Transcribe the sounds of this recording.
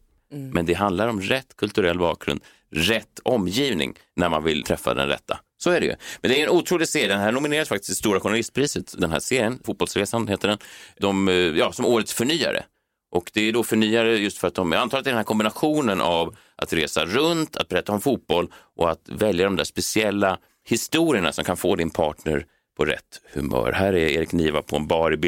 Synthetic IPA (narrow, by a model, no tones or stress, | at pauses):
mɛnd̪ɛɦand̪laɾɔmɾɛt̪ːkʰɵlt̪ɵɾɛlːbɑ̰ːk̚ɡɾɵ̰nd̪ | ɾɛt̪ːɔmːjiːvnɪ̰ŋnæɾma̰nvɪ̰lt̪ʰɾɛfːa̰d̪ɛ̰nɾɛ̰t̪ʰːa̰ | sɔæɖɛjɵ̰mɛnd̪ɛæjɛnuːt̪ʰɾuːlɪɡseːɾd̪ɛnɦæːɳʊmɪneːɾasfakt̪ɪ̥std̪ɛst̪uːɾaɧʊɳalɪst̪̚pʰɾiːsət̪d̪ɛnɦæ̰seːɾɪənfut̪̚b̥ɔlsɾeːsanheːt̪əɖɛnd̪ɔmjɑːsɔmoːɾət̪sfœɳyːa̰ɾə̰ | ʔɔkd̪ɛæɖɔfœɳyːaɾəjɵst̪fœɾat̪̚d̪ɔmant̪ʰɑːlət̪æɖɛnæɾkʰɔmbɪnaɧuːnənʔav | ʔa̰t̪ɾeːsaɾɵnt̪ʰa̰t̪̚bɾɛːt̪ːaɔmfuːt̪̚b̥ɔlːʔɔat̪vɛljad̪ɔmd̪æ̰ːʂpɛsɪɛlːa | hɪst̪uːɾɪəɳa̰sɔmkʰanfoːd̪ɪnpʰɑːʈɳə̰ɾ | pʰɔɾɛ̰t̪ːhɵ̰mœ̰ːɾhæːɾæɾḛːɾɪkniːva̰pʰɔɛnbɑːɾɪbɪ